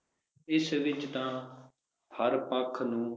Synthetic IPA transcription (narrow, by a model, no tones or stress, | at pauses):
ɪsʋɪt͡ʃt̪ãː | pʰəɾpãkʰnũː